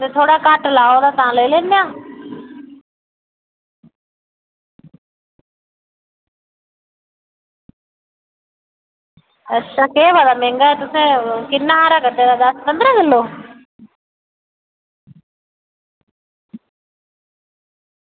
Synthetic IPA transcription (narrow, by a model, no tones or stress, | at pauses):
t̪et̪ʰoːɽaːkaːʈlaːoːd̪aːt̪ʋãːleːleːnjãː | ətːʃʰaːkeːʋad̪aːmẽːŋɡaːet̪ʊsẽkɪnːaaːɾakət̪ed̪aːd̪aspə̃nd̪ɾaɡɪloː